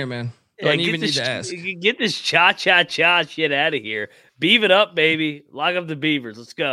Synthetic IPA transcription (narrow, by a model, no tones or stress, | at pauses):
ɪmæ̃n | jæɛɨ̃nðɪsɡɛt̪̚ðɪst͡ʃʰɑt͡ʃʰɑt͡ʃʰɑʃɪɾaʊɾɨhiɹ | b̥ivɨɾʌp̚meɪbilɑkʌvðɨbivə˞zlətsɡ̥oʊ